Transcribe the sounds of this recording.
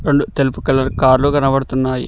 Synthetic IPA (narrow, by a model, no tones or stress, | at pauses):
ɾeɳɖut̪elupukɐlːɐɾkaːɾluɡɐnɐʋɐɽɐt̪unːaːjḭ